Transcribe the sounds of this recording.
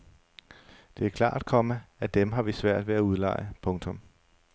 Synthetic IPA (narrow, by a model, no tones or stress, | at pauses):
d̥e̝æɐkʰlɑ̰̈ːæd̥̚kʰɒ̽məæd̥emɦɑ̈ʋisʋæɐ̰d̥ʋeæuðˠlɑ̰̈ɪəpʰɔ̽ŋt͡sʰɔ̽m